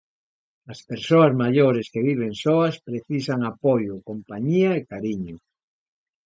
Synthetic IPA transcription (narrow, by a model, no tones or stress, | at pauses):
aspeɾsoazmaʎoɾeskeβiβ̞eŋsoaspɾeθisaŋapojokompaɲiaekaɾiɲo